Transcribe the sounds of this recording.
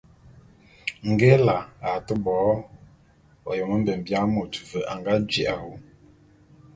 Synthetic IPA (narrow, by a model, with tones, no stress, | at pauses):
ŋ̩˨ɡɛ˦la˨a˨tə˦bɔː˨˦ | ɔ˨jɔ˨mə˦m̩˦bə˨m˨bja˦mo˨tu˨və˨ʔa˨ŋɡa˦d͡ʒḭ˨ʔa˨hu˦